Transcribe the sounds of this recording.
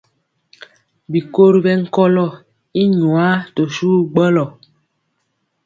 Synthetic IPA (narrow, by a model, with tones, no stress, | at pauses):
bi˨ko˦ɾi˦bɛ˦ŋ̩˦kɔ˦lɔ˦˨ | i˦ɲwa˦to˨su˦ɡ͡bə˦lɔ˨